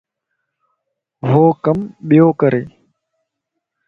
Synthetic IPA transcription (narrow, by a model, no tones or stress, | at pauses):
ɦoːkəmɓɪjoːkəɾʔeː